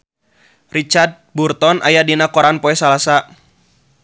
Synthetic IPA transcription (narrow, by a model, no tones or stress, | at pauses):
rit͡ʃard̪̚burt̪ɔnʔa̰jadinakɔɾanpɔɛsalasa